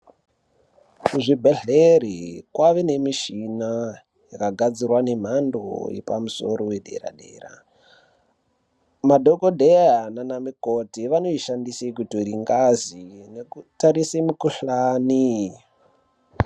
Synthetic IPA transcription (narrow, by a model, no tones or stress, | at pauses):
kuʐibʱeɮerikwaʋene̞miʃina | jakaɡʱad͡zirwane̞m̤ando̰jḛpamuso̞ɾo̞we̞ɗe̞̰ɾa̰ɗḛːra̰ | madʱokodʱejananamikotiʋano̞iʃandisekutɾiŋɡazinekutaɾisemukuɬaːni